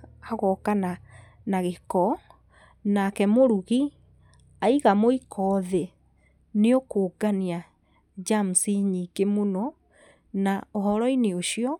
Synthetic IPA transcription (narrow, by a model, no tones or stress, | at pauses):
aɣɔkana | naɣekɔ | nakɛmoɾuɣi | aiɣamoikʰɔðe | neokoːɡania | d͡ʒamusiɲikemonɔ | naɔɦɔɾɔineoʃiɔ